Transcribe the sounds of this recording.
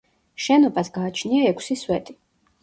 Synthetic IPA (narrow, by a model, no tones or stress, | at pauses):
ʃɛnɔbasɡaːt͡ʃʰniaɛkʷʰsiswɛt̪ʼi